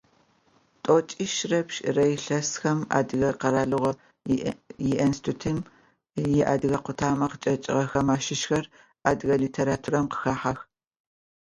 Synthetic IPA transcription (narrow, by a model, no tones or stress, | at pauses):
tʼot͡ʃʼɪʃrɐpʃrɐjɬɐsxɐma̰ːdɨɣɐqɐɾaːɮɨʁɐ | jɪʔɐnstʰutʰɨm | jɪʔa̰ːdɨɣɐqʷʊtʰaːmɐqət͡ʃʼɐt͡ʃʼɪ̰ʁɐxɐmaːʃɪʃxɐr | aːdɨɣɐliːtʰeːɾaːtʰuːrɐmqə̥xaːħax